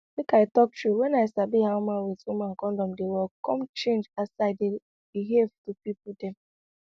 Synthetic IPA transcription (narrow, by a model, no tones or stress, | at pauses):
lekaɪtɔk̚tɹuwɛ̃naɪsabihaʊmãnwitumãŋkɔ̃ndɔ̃mdewɛkɔ̃mt͡ʃẽnd͡ʒasaɪde | b̥iɦevtupipʊdɛ̃m